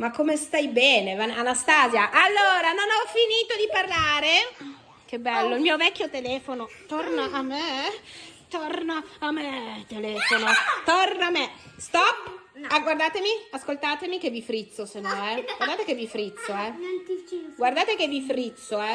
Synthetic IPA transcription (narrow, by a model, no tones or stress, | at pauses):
makːomest̪ajbɛːnevananast̪aːzjaʔalːoːɾanonɔfiniːt̪od̪iparlaːɾe | k̟ebːɛlːoilmiːovɛkʲːjot̪elɛːfonot̪ornaʔamːe | t̪ornaamːet̪elɛːfonot̪ornaamest̪ɔpː | aɡward̪aːt̪emiaskolt̪aːt̪emik̟evːifɾit̪sːosenːɔɛɡward̪aːt̪ekevːifɾit̪sːoɛ | ɡward̪aːt̪ekevːifɾit̪sːoɛ